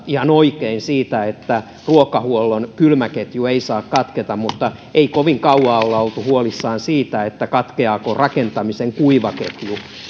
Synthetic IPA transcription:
ihɑnoikeinsiːt̪æet̪ːæ | ruokɑhuolːonkylmæket̪jueisɑːkkɑt̪ket̪ɑmmut̪ːɑ | ʔeikoʋiŋkɑuɑːolːɑolt̪uhuolisːɑːnsiːt̪æet̪ːækɑt̪keɑːkorɑkent̪ɑmiseŋkuiʋɑket̪ju

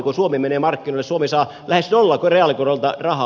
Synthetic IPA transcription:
kosuomemeneːmɑrkːinoˑilːesuomesɑː | lʔæhesnolːɑːkoreɑlikorolt̪ɑrɑhɑ

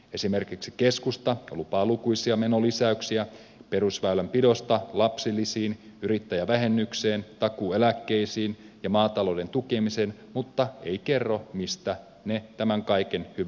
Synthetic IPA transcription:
e̞sime̞rkiksi̥keskust̪ɑo̰lupɑːlukujsiɑme̞nolisæyksiæ | pe̞ɾusʋæylæmpido̞st̪ɑlɑpsilːisiːnyɾit̪ːæjæʋæɦe̞nːykseːnt̪ɑkuːelækːe̞isiːnjɑmɑːt̪ɑlo̞ːde̞nt̪uke̞misenmut̪ːɑḛike̞rːomist̪æ | net̪æmæŋkɑjkenhyʋæ

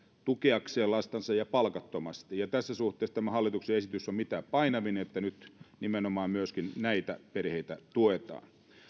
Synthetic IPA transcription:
t̪ukeɑkseːlɑst̪ɑnsɑjɑpɑlkɑt̪ːomɑst̪ijɑt̪æsːæsuht̪ˑeˑːst̪æmæhɑlːˑit̪ukseesit̪ysːommit̪æːpɑinɑʋineet̪ːænyt̪nimenomɑːmmyøskinnæit̪æperheit̪æt̪uet̪ɑ̰ːn

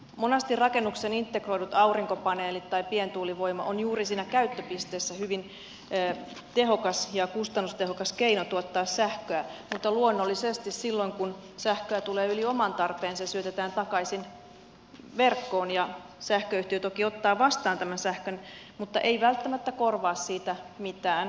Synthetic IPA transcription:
monɑst̪irrɑkenːuksenint̪ːekroidut̪ɑuriŋkopɑneːlit̪tːɑipient̪uːliʋojmɑ̰ʔonjuːrisiːnækæyt̪ːøpist̪eːsːæhyʋinː | t̪eɦokɑsjɑkust̪ɑnːust̪ehokɑskeinot̪uot̪ːɑːssæhkøæmut̪ːɑluonːolːisest̪issilːoŋkunsæhkøæt̪uleːyliomɑnt̪ɑrpeːnsesyøt̪et̪æːnt̪ɑkɑisin | ʋerkːoːnjɑ | sæhkøyht̪iøt̪okiot̪ːɑːʋɑst̪ɑːnt̪æmænsæhkøn | mut̪ːɑ̰ʔeiʋælt̪ːæmæt̪ːækorʋɑːssiːt̪æmit̪æːn

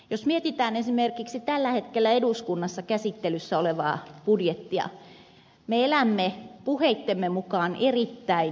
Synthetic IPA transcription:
josmiet̪it̪æːnesimerkiksit̪ælːæhet̪kelːæeduskunːɑsːɑkæsit̪ːelysːæoleʋɑ̰ːpudjet̪ːiɑ̰ | meelæmːepuheit̪ːemːemukɑːnʔerit̪ːæin

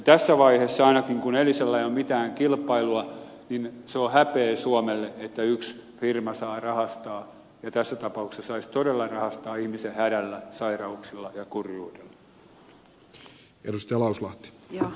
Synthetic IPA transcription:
t̪æsːæʋɑihesːɑɑinɑkiŋkuneliselːæiommit̪æːŋkilpːˑɑiluɑ | ninseohæpeːsuomelːeet̪ːæyksfirmɑsɑːrɑhɑst̪ɑː | jɑt̪æsːæt̪ɑpɑuksesːɑsɑist̪odelːɑrɑhɑst̪ɑːihmisehæɾælːæsɑirɑuksilːɑjɑkurjuːdelːɑ̥ | edust̪ɑjɑlɑuslɑht̪i̥

